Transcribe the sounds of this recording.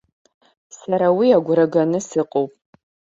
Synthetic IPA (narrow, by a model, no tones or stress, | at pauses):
saɾawiaɡʷɾaɡanɨsɨqʼowpʼ